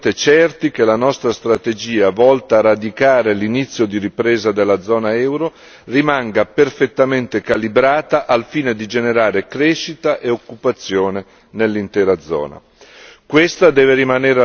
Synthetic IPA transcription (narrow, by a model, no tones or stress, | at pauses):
t̪et͡ʃɛrt̪ik̟elanɔst̪ɾast̪ɾat̪ed͡ʒiːavɔlt̪aːrːad̪ikaːɾelinit̪sːjod̪iɾipɾeːzad̪elːad̪zːɔːnaɛwɾo | rimaŋɡaperfet̪ːament̪ekalibɾaːt̪aʔalfiːned̪id͡ʒeneɾaːɾekɾɛʃːit̪aʔeokːupat̪sːjoːne | nelːint̪ɛːɾad̪zɔ̰ːna̰ | kwest̪ad̪ɛːveɾimaneːɾ